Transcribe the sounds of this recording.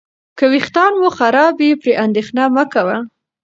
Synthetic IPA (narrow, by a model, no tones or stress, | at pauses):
kəwixt̪ɑnwuxaɾɑbepɾeʔand̪exnɑməkawa